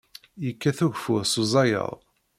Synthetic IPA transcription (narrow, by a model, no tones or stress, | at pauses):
jəkːæθuʝfʊðsuzˤɑjə̰ðˤ